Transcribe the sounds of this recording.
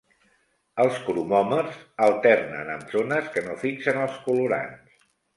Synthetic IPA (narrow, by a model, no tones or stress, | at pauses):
əlˠskuɾumɔməzəlˠt̪ɛrnə̰nə̰mzonəskənofiksənəlˠskuluɾa̰ns